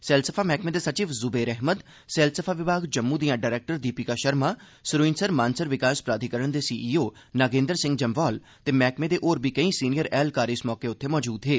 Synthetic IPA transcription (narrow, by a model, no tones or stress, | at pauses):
sɛːlsəpʰaːmɛːkmeːd̪eːsət͡ʃiːʋzʊbeːɾɛɦməd̪ | sɛːlsəpʰaːʋɪbaːɡd͡ʒəmːũd̪ijãːɖaːɾɛːk̚ʈəɾd̪iːpiːkaːʃəɾmaː | sɾuinsəɾmãːnsəɾʋɪkaːspɾaːd̪ʱikəɾəɳd̪eːsiːʔiːoː | naːɡẽːnd̪əɾsɪ̃ŋɡd͡ʒəmʋɔːl | t̪eːmɛːkmeːd̪eːʔoːɾbiːkəĩːsiːnijəɾɛːlkaːɾɪsmɔːkeʊt̪ʰːeːmɔːd͡ʒuːd̪ɦeː